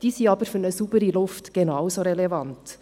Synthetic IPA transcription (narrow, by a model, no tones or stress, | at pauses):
d̥iːsiːɑbəɾfyɾnəsuːbəɾilʊftɡ̥enawsoɾɛlɛvɑnt